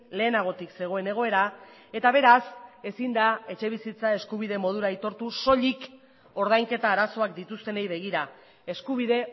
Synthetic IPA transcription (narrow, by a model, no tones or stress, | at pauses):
le̞ːnaɣ̞o̞t̪ikse̞ɣ̞o̞e̞ne̞ɣ̞o̞e̞ɾae̞t̪aβ̞e̞ɾase̞sind̪ae̞t͡ʃe̞β̞isit͡sae̞skuβ̞ið̞e̞mo̞ð̞uɾait̪o̞ɾt̪uso̞ʎik | o̞ɾð̞ajŋke̞t̪aːɾaso̞ak̚d̪it̪ust̪e̞ne̞jβe̞ɣ̞iɾa | e̞skuβ̞iðe̞